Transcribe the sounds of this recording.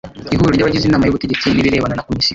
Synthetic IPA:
iɦuɾuɾɟaβaɟizinaːmajoβuteɟet͡siniɾiɾe̞ːβananakomisi

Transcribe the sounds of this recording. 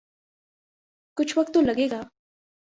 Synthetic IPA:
kʊt͡ʃʰwakt̪ʊlaɢeɢɑ

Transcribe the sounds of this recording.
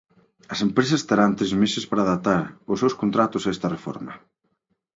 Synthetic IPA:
ɐsempɾesɐst̪eɾant̪ɾezmesɪspaɾaːðat̪aɾʊsːewskont̪ɾat̪ʊsɛst̪ɐrefɔ̰ɾmɐ

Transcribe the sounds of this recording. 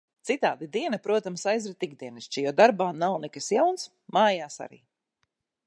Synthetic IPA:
t̪sit̪aːd̪id̪iɛnɐpɾuɔt̪amsajzɾɛt̪iɡd̪iɛniʃt͡ʃijɔːd̪aɾbaːnawnɛkasjawns | maːjaːsa̰ɾḭː

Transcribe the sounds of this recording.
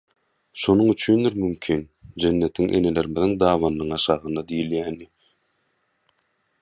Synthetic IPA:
ʃonuŋyt͡ʃʰynd̪iɾmymkʲʰin | d͡ʒenːe̞t̪ʰiŋʔe̞̰ne̞le̞ɾmiðiŋd̪ɑːβɑnːɯŋɑʃɑːʁɯnd̪ɑd̪ijiljæːnːi

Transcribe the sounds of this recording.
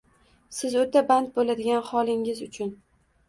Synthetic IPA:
sɪzot̪ʰaband̪̚bolad̪ɪɡʲanχɒlˠɪŋɪzʊt͡ʃʰʊn

